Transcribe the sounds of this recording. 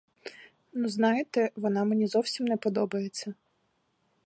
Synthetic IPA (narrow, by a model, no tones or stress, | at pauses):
nuznɑjɪt̪ɛʋɔnɑmenʲizɔwsʲimnɛpɔd̪ɔbɐjet͡sʲːɐ